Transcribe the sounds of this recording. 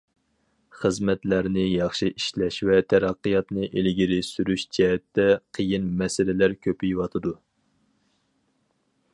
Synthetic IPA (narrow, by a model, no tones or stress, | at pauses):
χəzmɛt̪læɾnɪjɑχʃɨʔiʃlɛʃwɛt̪ʰæɾɑqːɨjɑt̪nɨʔelɡʲiɾɪsyɾyʃd͡ʒɛɦɛt̪ːɛqʰəjinmɛsɪlɪlæɾkʲʰøpijwɑt̪ʰɨd̪u